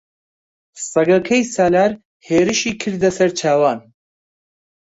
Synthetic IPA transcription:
sɐɡɐkʰɐjsaːlaːɾ | heːɾɨʃiːkʰɨɾd̪ɐsɐɾt͡ʃʰaːwaːn

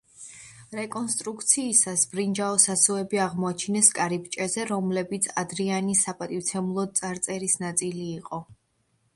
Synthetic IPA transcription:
ɾɛkʼɔnst̪ʼɾukʰt̪sʰiːsasbɾind͡ʒaɔsasuɛbiaʁmɔat͡ʃʰnɛskʼaɾipt͡ʃʼɛzɛɾɔmlɛbit̪sʰad̪ɾianisapʼat̪ʼift̪sʰɛmulˠɔt̪sʼaɾt̪sʼɛɾisnat̪sʼiliːqʼɔ

